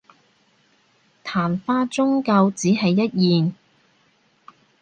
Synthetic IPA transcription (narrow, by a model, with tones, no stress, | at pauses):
t̪ʰaː˨˩nfaː˧˥t͡sʊ˥ŋka˧wt͡siː˨˥ɦɐ˨jːɐ˥t̚jiː˨n